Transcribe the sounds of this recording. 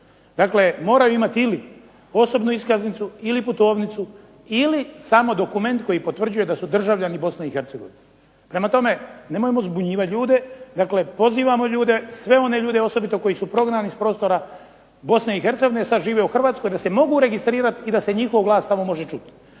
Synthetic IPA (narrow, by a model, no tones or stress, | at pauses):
d̪akle̞mo̞ːɾajuimat̪ili | o̞so̞bnuiskaznit̪suiliput̪o̞ːʋnit̪su | ilisaːmo̞d̪o̞kume̞nt̪̚ko̞jipo̞t̪ʋr̩d͡ʑuje̞d̪asud̪r̩ʒaʋʎanibo̞sneixeɾt̪seɡo̞ʋine | pɾe̞mat̪o̞me̞ne̞mojemo̞zbuɲiːʋat̪ʎuːd̪e̞d̪akle̞po̞ziːʋamo̞ʎuːd̪e̞sʋe̞o̞ne̞ʎuːd̪eo̞so̞bit̪o̞ko̞jisupɾo̞ɡnaːnispɾo̞ːst̪o̞ɾa | bo̞sneixe̞ɾt̪seɡoinesad̪ʒiːʋe̞uxr̩ʋaːt̪sko̞jd̪ase̞mo̞ɡuɾe̞ɡist̪ɾiːɾat̪id̪ase̞ɲixo̞ʋɡlˠaːst̪amo̞mo̞ʒe̞t͡ʃut̪